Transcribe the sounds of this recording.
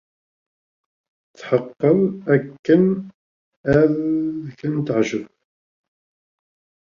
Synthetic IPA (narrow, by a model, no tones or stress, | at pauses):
θħəqːəlækːən | æðkənt̪əʕʒəv